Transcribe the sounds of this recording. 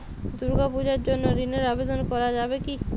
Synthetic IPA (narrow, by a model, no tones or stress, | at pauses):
d̪uɾɡapud͡ʑaɾd͡ʑonːoɾineɾabed̪onkɔɾad͡ʑabeki